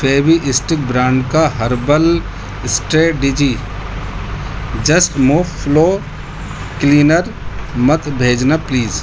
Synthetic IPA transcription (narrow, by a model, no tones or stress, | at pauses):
feːbiʔɪsʈɪk̚bɾãːɳɖkaɦɐɾbəl | ɪsʈeːɖid͡ʒi | d͡ʒɐsʈmuːʋploː | kliːnəɾmət̪bʱeːd͡ʒnapliːz